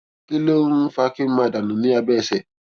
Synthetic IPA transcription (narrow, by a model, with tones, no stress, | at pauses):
kɪ˦lo˦fa˦kɪ˦m̩˦mã˨da˨nʊ̃˨nĩ˦a˧bɛː˦˨sɛ˨